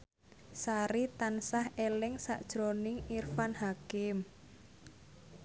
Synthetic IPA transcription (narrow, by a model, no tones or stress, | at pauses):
saɾit̪ansahelɪŋsa̰ʔd̥ʒ̥ɾonɪŋirfanhakɪm